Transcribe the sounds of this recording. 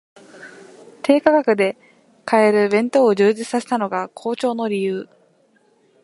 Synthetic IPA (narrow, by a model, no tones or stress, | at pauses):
t̪e̞ːkaɡakɯ̟d̪e̞ | kae̞ɾɯ̟bẽ̞nt̪o̞ːʑɨːʑit͡sɨ̥saset̪ano̞ɡakʰo̞ːt͡ɕo̞ːno̞ɾʲijɯː